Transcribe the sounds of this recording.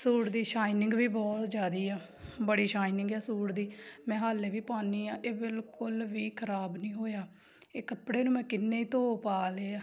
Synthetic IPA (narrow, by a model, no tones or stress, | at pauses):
suːɾd̪iːʃaːinɪ̃ŋɡʋiːbɔːt̪d͡ʒaːd̪iːɛː | bəɽiːʃaːinɪ̃ŋɡɛːsuːɽd̪iːmɛ̃ːɦaːleːʋiːpaːniːãːʔeːbɪlkʊlʋiːkʰəɾaːbnĩːɦoːjaː | eːkəpɽeːnũːmɛ̃ːkɪnːẽːiːt̪oːpaːleːaː